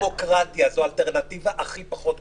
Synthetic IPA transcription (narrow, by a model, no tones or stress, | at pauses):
okʁatjazoalteʁnativaʔaχipaχo̞t̪